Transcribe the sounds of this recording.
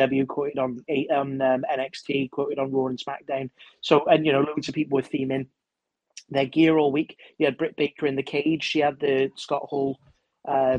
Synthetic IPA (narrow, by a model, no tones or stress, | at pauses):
ʌblˠjʉkʰw̥oʊtɪɾn̩eɪʔən̩ʌmɛ̃nɛkstʰikʰw̥oʊtɪɾn̩ɹɔːɹə̃n̩sma̰k̚d̥ãʊ̃nsoʊʔə̃njənoʊlʊkɪ̃ŋtʰəpʰiˑpl̩ˠwɪð̥θĩːmɪ̃n | ðəɡɪəɹɔːlˠwiˑkjəəd̚bɹɪʔ̚b̥eɪkʰəɹɪ̃nðəkʰeɪd̥ʒ̥ʃiəd̪̚ðəskɒʔhɔːlˠ | ʔʌ